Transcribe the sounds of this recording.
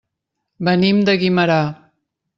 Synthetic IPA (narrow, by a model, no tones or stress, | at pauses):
bənimd̪əɣiməɾa